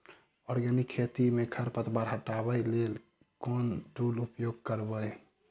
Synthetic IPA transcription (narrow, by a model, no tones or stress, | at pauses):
ɔɾɡənikʰːet̪imekʰəɾpət̪ʰbaɾɦəʈabəjlel | konʈulupjoɡ̚kəɾbəj